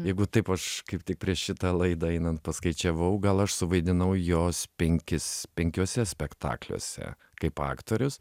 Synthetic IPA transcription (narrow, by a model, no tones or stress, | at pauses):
jɛɪɡʊt̪ɐɪpɐʃkɐɪptʲɪk̚pʲɾʲiɛʃʃʲɪt̪ɑlˠɐɪd̪ɐɛɪnɐnt̪̚pɐskɐɪt͡ʃʲɛʋɐʊɡɐlˠɐʃsʊʋɐɪd̪ʲɪnɐʊjoːspʲɛŋʲkʲɪspʲɛŋʲkʲoːsʲɛsʲpʲɛkt̪ɑ̰ːklʲo̰ːsʲɛ̰ | kɐɪpɑ̰ːkt̪oːɾʲʊs